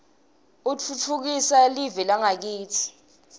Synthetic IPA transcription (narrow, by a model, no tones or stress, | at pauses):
ut͡fʰut͡fʰuk̬isalivɛlaŋak̬iːtʰi̥